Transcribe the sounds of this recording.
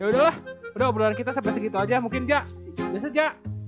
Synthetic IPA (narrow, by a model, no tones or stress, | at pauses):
jaudahlahudabɾaankit̪asəbaɛsəɡit̪uad͡ʒamuŋkɪnd͡ʒaʔ | biasad͡ʒaʔ